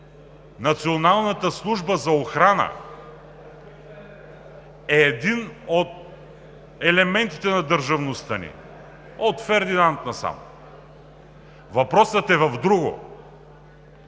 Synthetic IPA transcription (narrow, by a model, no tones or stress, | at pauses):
nɐt̪sionalˠnət̪əslˠuʒbəzɐoxɾanə̰ | ɛːd̪inot̪̚ | ɛlɛmɛnt̪it̪ɛnɐd̪əɾʒɐvnost̪ənḭ | ot̪fɛɾd̪inant̪nɐsa̰m | vɐpɾɔsət̪ɛvɐvd̪ɾuɡo̰